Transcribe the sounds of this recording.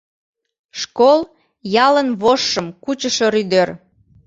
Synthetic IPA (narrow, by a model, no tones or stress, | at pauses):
ʃkol | jɑlənβoʃːəmkut͡ɕəʃoɾyd̪ør